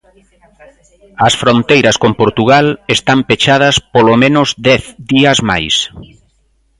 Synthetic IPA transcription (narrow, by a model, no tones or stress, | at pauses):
ɐsfɾont̪ejɾɐskompoɾt̪uɣalest̪ampet͡ʃað̞ɐspolomẽnʊzd̪ɛθd̪iɐzma̰js